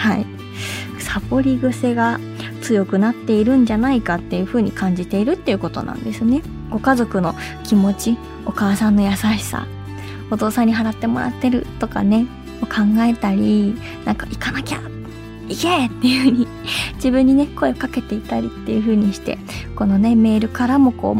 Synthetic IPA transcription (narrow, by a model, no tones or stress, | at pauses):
hai | sapo̞ɾʲiɡɯ̟se̞ɡa | t͡sɨjo̞kɯ̟nat̪ːe̞iɾɯ̟̃ɲ̟d͡ʑanaikat̪ːe̞jɯ̟ɸɯ̟ːɲ̟ikãɲ̟d͡ʑit̪e̞iɾɯ̟t̪ːe̞jɯ̟ko̞t̪o̞̰nã̰nd̪e̞sɨne̞ | ɡ̥o̞kazo̞kɯ̟no̞ | kʲimo̞t͡ɕi | o̞kaːsãnːo̞jasaɕi̥sa̰ | o̞t̪o̞ːsãɲ̟ːiɦaɾat̪ːe̞mo̞ɾa̰t̪ːe̞ɾɯ̟t̪o̞ka̰ne̞ | okʰãŋɡae̞t̪aɾʲi | nãŋkaʔikanakʲa̰ | iket̪ːe̞jɯ̟ːɲ̟i | d͡ʑibɯ̟̃ɲ̟ːine̞ko̞e̞okake̞t̪e̞it̪aɾʲit̪ːe̞̰jɯ̟ɸɯ̟ːɲ̟iɕi̥t̪e̞̰ | ko̞no̞ne̞me̞ːɾɯ̟kaɾamo̞ko̞̰ː